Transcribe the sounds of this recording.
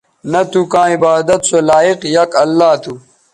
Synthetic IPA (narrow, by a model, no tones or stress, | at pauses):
nɐt̪ukãːibaːd̪ɐt̪solaːiqjɐkɐlːaːt̪ʰu